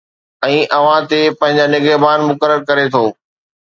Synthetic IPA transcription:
ɛ̃ːʔɐʋ̤ãt̪epɐ̃ɦɪ̃ɲ̆d͡ʑanɪɡəbaːnmʊkəɾəɾkɐɾet̪ʰoː

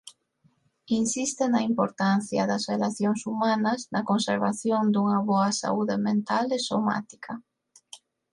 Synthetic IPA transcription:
insist̪ɪnɐimpoɾt̪anθjɐ̰ðɐzrelaθjoŋsumanɐznɐkonseɾβa̰θjond̪uŋɐβɔɐsa̰uðemẽnt̪alesoma̰t̪i̥kʰɐ

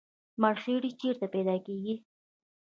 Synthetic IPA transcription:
maɾxeɽit͡ʃeɾt̪apɛd̪ɑkeɡi

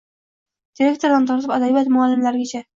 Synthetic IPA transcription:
d̪̥iɾʲe̞k̚t̪o̞ɾd̪ant̪ʰɒɾt̪ʰɪpad̪avijat̪mʊalːɪmlaɾɪɡʲt͡ʃʰa

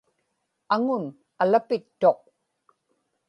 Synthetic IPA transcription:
aŋʊn | alapɪt̪ːo̞q̚

